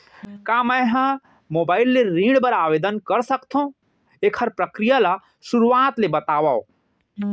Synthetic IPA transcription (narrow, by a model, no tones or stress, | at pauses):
kaməjɦã | mobaːɪlːeɾĩɖbəɾaʋeːd̪ənkəɾsəkt̪ʰõ | ekʰəɾpɾəkɾijala | suɾuʋaːt̪lebət̪aːʋao